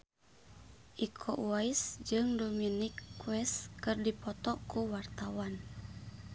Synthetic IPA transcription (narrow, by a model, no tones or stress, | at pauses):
ʔikʰɔʔuaisd͡ʒɨŋdominikːwɛst̪kɨrdipɔt̪ɔkuwart̪awan